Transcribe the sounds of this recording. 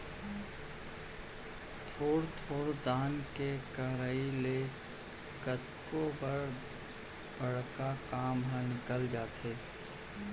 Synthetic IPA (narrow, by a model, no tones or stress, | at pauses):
t̪ʰoːɽt̪ʰoːɽd̪aːnkekəɾaːile | kət̪kobəɾ | bəɽ̤kakaːmɦə̃nɪkəld͡ʒaːt̪eː